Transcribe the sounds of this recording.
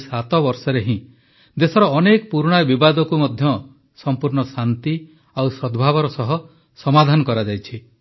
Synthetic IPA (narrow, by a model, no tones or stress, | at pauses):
sat̪ɔbɔɾsɔɾeɦĩ | d̪esɔɾɔːnekɔpuɾɽ̃ajbibad̪ɔkumɔd̪ʱjɔ | sɔmpuɾɳɔsant̪i | awsɔd̪bʱaβɔɾɔsɔɦɔ | sɔmad̪ʱanɔkɔɾad͡ʒajt͡ʃʰi